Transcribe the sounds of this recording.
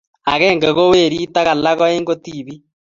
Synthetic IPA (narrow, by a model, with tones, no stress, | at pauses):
a˨ɣɛːŋɡe˨ɣo˦weː˦˨ɾiː˦ta˦ɣa˨la˦ɣɔ˦eːŋɡo˦tiːβi˦